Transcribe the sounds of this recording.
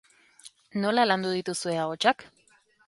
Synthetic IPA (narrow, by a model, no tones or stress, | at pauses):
no̞laland̪uð̞it̪usue̞aɣo̞t͡ʃak